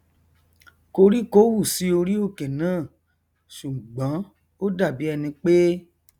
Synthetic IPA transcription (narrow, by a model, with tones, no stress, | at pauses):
ko˧ɾi˦ko˦wu˦˨si˨˦o˧ɾi˦o˦˨ke˨nãː˦˨ | ʃu˨ɡ͡bã˨˦ | o˦da˦˨bi˨˦ɛ˧nĩ˧k͡pe˦